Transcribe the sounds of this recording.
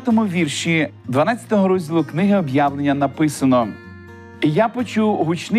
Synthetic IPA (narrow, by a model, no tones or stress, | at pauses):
t̪ɔmʊʋʲirʃi | d̪ʋɐnɑt͡sʲɐ̥t̪ɔɦɔɾɔzʲdʲilˠʊknɪɦɪɔbjaʋlˠenʲːɐnɐpɪsɐnɔ | ijapɔt͡ʃuwɦʊt͡ʃn